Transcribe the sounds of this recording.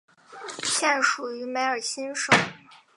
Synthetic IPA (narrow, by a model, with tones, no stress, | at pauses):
ɕʰjɛ˥˩nʂu˨˩y˧˥me˧˥ɪə˞˨˩ɕʰi˥nʂo˨˩˦